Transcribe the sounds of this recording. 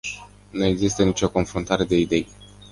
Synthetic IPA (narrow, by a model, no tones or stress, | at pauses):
nue̞ɡzist̪ənit͡ʃo̞ko̞nfɾunt̪aɾe̞d̪e̞id̪e̞j